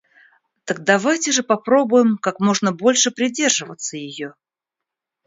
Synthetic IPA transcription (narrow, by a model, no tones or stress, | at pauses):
t̪ək̚d̪ɐvajtʲɪʐɨpɐpɾo̞bʊjɪmkakmo̞ʐnəbo̞lʲʂɨpɾʲɪdʲe̞rʐɨvət̪səjɪjo